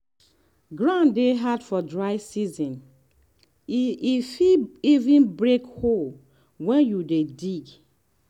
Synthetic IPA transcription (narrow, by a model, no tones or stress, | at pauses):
ɡɹãndeɦadfɔdɹaɪsizɔ̃n | ifiivĩnbɹekhol | wɛ̃njudediɡ